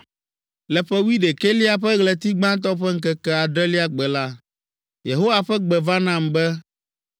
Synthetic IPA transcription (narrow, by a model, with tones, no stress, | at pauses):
lɛ˨ɸɛ˦wi˦ɖe˨ke˦li˦a˨ɸɛ˦ɣlɛ˨t̪i˦ɡ͡bã˦t̪̬ɔ˦ɸɛ˦ŋ̩˦kɛ˦kɛ˦a˨ɖɛ˦li˦a˦ɡ͡bɛ˨la˦ | je˨ɦo˦wa˨ɸɛ˦ɡ͡bɛ˨va˦nã˦˨mbɛ˦